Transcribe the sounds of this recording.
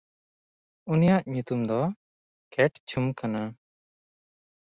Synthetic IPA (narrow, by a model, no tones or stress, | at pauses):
unijaʔɲut̪umd̪ɔ | kɛʈt͡ʃʰumkana